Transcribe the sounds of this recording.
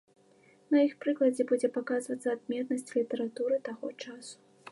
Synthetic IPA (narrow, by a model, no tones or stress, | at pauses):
nɐjixpɾɨklˠɐd͡zʲɛbud͡zʲɛpakazvɐt̪sɐːd̪̚mʲɛt̪nɐsʲt͡sʲlʲit̪ɐɾat̪uɾɨt̪aɣɔt͡ʂasu̥